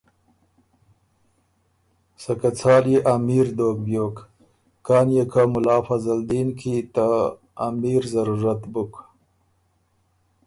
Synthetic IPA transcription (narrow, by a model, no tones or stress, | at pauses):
sakat͡sʰɑːljeʔamiɾd̪oːkbjoːk | kɑːnjekʰamʊlɑːfazald̪iːnkʰit̪a | amiɾzaɾuɾat̪buk